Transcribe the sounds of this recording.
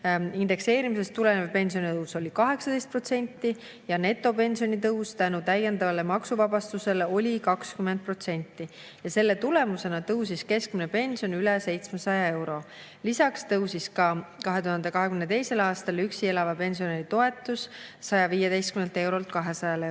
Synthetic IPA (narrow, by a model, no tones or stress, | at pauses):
ind̪̥e̞kse̞ːɾimise̞st̪ːule̞nevpe̞nsio̞nit̪ɤwso̞lʲikɑɦe̞ksɑt̪d̥̪est̪̚pro̞t̪se̞nʲt̪ˑːi | jɑne̞t̪ˑːo̞pe̞nʲsio̞nʲit̪ɤwst̪ænut̪æje̞nd̪ɑvɑle̞mɑksuvɑbɑst̪use̞leo̞lʲikɑkskymːend̪̚pro̞t̪se̞nʲt̪ˑːi | jɑse̞lːe̞t̪ule̞muse̞nɑt̪ɤws̬iske̞skminepe̞nʲsio̞nylɛse̞jt̪smesɑjɑe̞wɾo̞ | lisɑkst̪ɤwsiskɑkɑɦe̞t̪uɦɑnd̪e̞kɑɦekymnet̪e̞jse̞lɑːst̪ɑlyksie̞lɑvɑpe̞nʲsio̞neɾit̪o̞e̞t̪ːˑusːɑjɑviːjed̪e̞jst̪̚kyme̞nt̪e̞wɾo̞lt̪̚kɑɦe̞sɑjɑle